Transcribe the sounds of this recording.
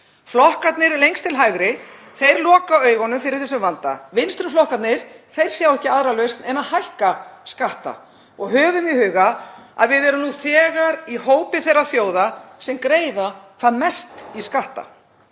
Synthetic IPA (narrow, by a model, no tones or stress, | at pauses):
flɔhkat̪nɪɾlejŋkst̪ʰɪlɦajɣɾɪ | θejɾlɔːkaœːɥɣɔnʏmfɪɾɪɾ̥θɛsʏmvant̪a̰vɪnst̪ɾʏflɔhkat̪nɪɾ̥θejɾ̥sjawɛhcɪaðɾalœɥst̪nɛnaðhajhkaskaht̪a̰ | ɔɣɦœːvʏmihʏːɣaa̰ðvɪðɛɾʏmnuθɛːɣaɾihoːwpɪθejrːaθjoːwðasɛmkɾeːjðakʰvaðmɛst̪iskaht̪a̰